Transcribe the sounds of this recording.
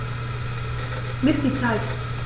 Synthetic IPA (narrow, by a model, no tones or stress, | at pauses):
mɪsd̥iːt͡saɪt